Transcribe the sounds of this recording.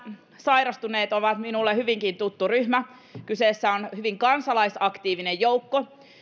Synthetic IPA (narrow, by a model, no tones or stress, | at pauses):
sɑiɾɑst̪uneːt̪o̞ʋɑt̪minulːehyʋiŋkint̪ut̪ːuryhmæ | kyseːsːæonhyʋiŋkɑnsɑlɑisɑkt̪iːʋinejjowkːo